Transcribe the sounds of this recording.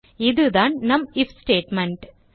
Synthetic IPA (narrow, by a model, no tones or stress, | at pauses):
iðɨðaːnnɐmifsʈeːʈmeɳɖ